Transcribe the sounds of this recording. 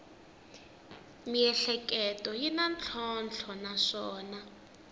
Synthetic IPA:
miɛɬɛkɛtʼɔjinant͡ɬʰɔnt͡ɬʰɔnaʂɔːna

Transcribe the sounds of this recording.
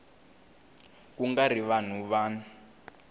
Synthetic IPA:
kuŋɡariʋan̤uβaːna

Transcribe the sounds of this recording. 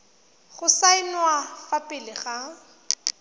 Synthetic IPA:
ɣʊsaɪnwafapʼɪlɪɣa

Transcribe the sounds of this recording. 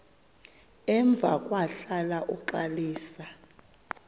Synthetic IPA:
ɛɱb̪vʱa̰kʼwaɬalaʔuǃaliːsa

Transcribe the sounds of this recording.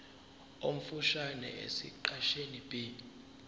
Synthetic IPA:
om̩fuʃanɛ̰ʔḛsḭǃaʃenibʼi

